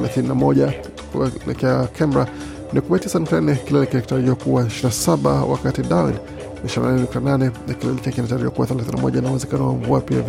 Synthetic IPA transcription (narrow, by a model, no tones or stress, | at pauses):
ɛlaθininamɔʄa | lɛ̰kakʰɛmbɾa | nikumɛitisanuk̚tanɛkilɛlikiaki̥taɾiɔkuwaɛʃinasaɓa̰wa̰katidawḭn | niʃina̰nanɛnuk̚tananɛnakilɛlikiakinataɾiɔkuwaθɛlaθinina̰mɔ̰ʄainauwɛzɛkanɔwa̰ɱvuapia̰v